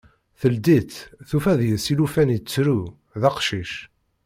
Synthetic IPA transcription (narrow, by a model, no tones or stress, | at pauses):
θəld̪it̪θufæðjəðsilufænit͡sːɾu | ðɑqʃiʃ